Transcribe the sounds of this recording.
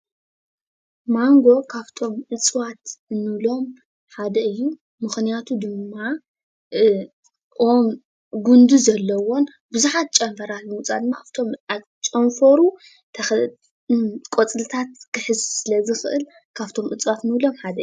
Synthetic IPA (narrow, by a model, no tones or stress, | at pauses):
maŋɡo̞kʰaβt̪ʰo̞mʔɨt͡sʼwat̪nɨβlo̞m | ħad̪ɐɨjːu | mɨxnijat̪ʰud̪ɨmːa | om | ɡund̪uzɐlːɐwo̞n | bɨzuħat̪̚t͡ʃʼɐmfɐɾalmut͡sʼad̪ɨmːaaβt̪ʰo̞ma | t͡ʃʼɐɱfɐɾu | t̪ʰɐ | kʼot͡sʼɨlɨt̪ʰat̪̚kʰɨħɨzsɨlɐzɨxɨʔɨl | kʰaβt̪ʰo̞mʔɨt͡sʼwat̪nɨβlo̞mħad̪ɐɨjː